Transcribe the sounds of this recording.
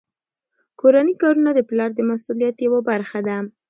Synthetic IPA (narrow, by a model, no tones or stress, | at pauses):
koɾanikɑɾunad̪əplɑɾd̪əmasulijat̪jawabaɾxad̪a